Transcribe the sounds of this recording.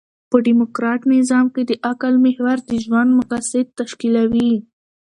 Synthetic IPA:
pəɖimokɾɑʈnɪzɑmked̪əʔakalmɪhwaɾd̪əʒwand̪mʊqasɪd̪̚t̪aʃkilawi

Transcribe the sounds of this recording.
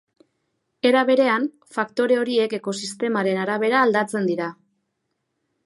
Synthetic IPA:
e̞ɾaβ̞e̞ɾe̞an | fakt̪o̞ɾe̞o̞ɾie̞ke̞ko̞sist̪e̞maɾe̞naɾaβ̞e̞ɾaːld̪at͡se̞nd̪iɾa

